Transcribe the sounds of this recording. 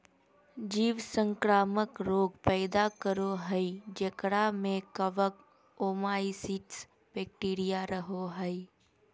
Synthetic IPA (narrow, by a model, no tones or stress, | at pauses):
d͡ʒiːʋsə̃ŋkɾaːməkɾoːɡpɛːd̪akəɾoɦəid͡ʒekɽamẽkəʋək | oːmaːisiːʈs | bɛːk̚ʈiːɾijaɾəɦoɦəi